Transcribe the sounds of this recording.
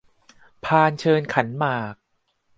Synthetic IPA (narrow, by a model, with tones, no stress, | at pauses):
pʰaː˧nt͡ɕʰɤː˧nkʰa˩˦nmaː˨˩k̚